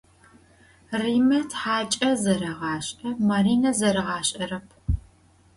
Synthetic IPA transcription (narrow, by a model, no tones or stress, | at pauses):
riːmɐtħaːt͡ʃʼɐzɐɾɐʁɑːɕʼɐmaɾiːnɐzɐɾɨʁɑːɕʼɐɾɐpʰ